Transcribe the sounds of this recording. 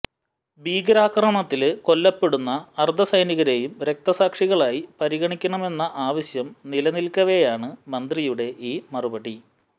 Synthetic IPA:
biːɡɐɾaːkrɐɳɐt̪ːilko̞lːɐpːe̞ɽunːɐːrd̪ʱɐsɐjniɣɐɾe̞ːjumɾe̞k̚t̪ɐsaːkʂiɣɐɭaːjipɐɾiɣɐɳikʲːɐɳɐme̞nːɐʔaːʋɐɕjɐmnilɐnilkɐʋejaːɳɨmɐnd̪rijuɽe̞ʔiːmɐrubɐɽi

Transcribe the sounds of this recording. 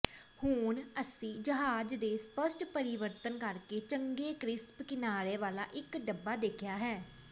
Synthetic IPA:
hʊnəsĩːd͡ʒəɦaːd͡ʒd̪eːspəsʈpəɾɪʋəɾt̪ənkəɾkeːt͡ʃəŋɡeːkɾɪspkɪnaːɾeːʋaːla̰ːʔɪkɖəbːaːd̪eːkʰɪjaːɦɛː

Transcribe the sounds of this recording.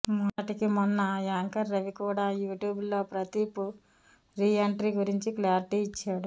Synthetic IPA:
mɐnɐʈikimɔnːɐaːŋkɐɾːɐʋikuːɽaːjuːʈjuːbloːpɾɐt̪iːpu | ɾiːeɳʈɾiːɡuɾiɲt͡ʃiklaːɾiʈiːt͡ʃːaːɽu

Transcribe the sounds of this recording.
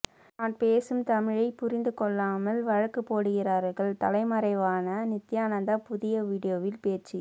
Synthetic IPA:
aːʈ̚peːsɯmt̪ɐmɪɻɐɪpʊɾɪnd̪ɯkɔɭːaːmɐlʋɐɻɐkːɯpːoːɽɯɣɪraːɾɣɐɭt̪ɐlɐɪmɐɾɐɪʋaːnɐnɪt̪ːɪjaːnɐnd̪ɐpʊðɪjɐʋiːɽɪjoːʋɪlpeːt͡ʃːi

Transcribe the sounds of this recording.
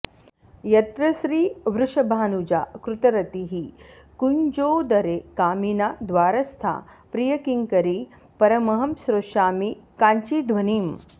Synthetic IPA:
jɐt̪ɾɐsɾiːʋɾuʂɐbʱaːnud͡ʒa̰ːkɾut̪ɐɾɐt̪iɦi | kund͡ʒoːwd̪ɐɾekaːminaːd̪ʋaːɾɐst̪ʰa̰ːpɾijɐkiŋkɐɾi | pɐɾɐmɐɦɐmsɾoʃaːmikaːɲt͡ʃiːd̪ʱʋɐniːm

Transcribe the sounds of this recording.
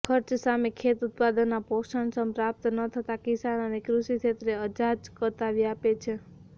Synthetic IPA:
kʰəɾt͡ʃsamekʰet̪ut̪̚pad̪ənːapoʃəɳsəmpɾap̚t̪nət̪ʰət̪akɪsanənekɾuʃit͡ʃʰet̪ɾeəd͡ʒad͡ʒkət̪aʋiapet͡ʃʰe

